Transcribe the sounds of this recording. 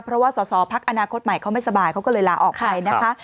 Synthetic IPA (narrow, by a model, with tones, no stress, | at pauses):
pʰɾɔ˦˥waː˥˩sɔː˩˦sɔː˩˦pʰa˦˥k̚ʔa˧naː˧kʰo˦˥t̪̚ma˨˩jkʰa˦˥wma˥˩jsa˧baː˨˧jkʰa˦˥wkɔ˥˩lɤː˧jlaː˧˦ʔɔː˨˩k̚pa˧jna˦˥kʰa˦˥